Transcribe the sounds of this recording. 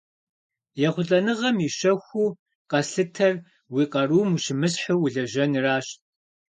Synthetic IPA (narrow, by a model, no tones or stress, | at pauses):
jɛχʷʊɬʼɐnɨʁɐmiʃɐxʷuː | qɐsɬɨtʰɐr | wiːqɐruːmuʃɪmɨsħʊwʊɮɐʒɐnraːɕt